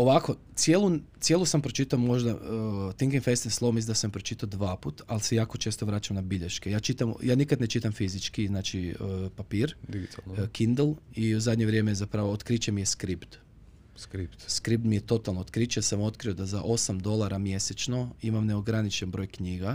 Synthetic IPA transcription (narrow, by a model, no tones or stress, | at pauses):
oʋako̞t̪sjelˠut̪sje̞lusampɾo̞t͡ʃit̪aomo̞ʒd̪at̪iŋɡinfest̪inslˠomislind̪asampɾo̞t͡ʃit̪aod̪ʋaːput̪alsejaːko̞t͡ʃe̞ːst̪o̞ʋɾaːt͡ʃamnabiʎeʃkejaːt͡ʃit̪amjaːnikad̪net͡ʃit̪amfizit͡ʃkiznaːt͡ʃipapiːɾd̪iɡt̪alkind̪elˠiuzad̪ɲeʋɾjemejezapɾaʋoot̪kɾit͡ʃemijeskɾipt̪ | kɾipt̪skɾip̚t̪mije̞t̪o̞t̪alˠnoot̪kɾit͡ʃesamo̞t̪kɾio̞d̪azaʔo̞samd̪o̞lˠaɾamje̞set͡ʃno̞imamneoɡɾanit͡ʃenbɾo̞jkɲiːɡa